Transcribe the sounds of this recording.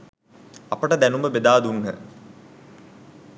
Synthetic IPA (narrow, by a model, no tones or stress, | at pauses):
ɐpəʈəd̪ænumbəbed̪aːd̪unːə̰